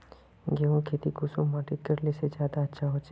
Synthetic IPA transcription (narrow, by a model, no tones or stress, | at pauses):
ɡeõkʰeːt̪ikuːsõmaːʈɪt̪̚kɐɾlesed͡ʒjaːd̪aɐtːʃʰaɦoːt͡ʃ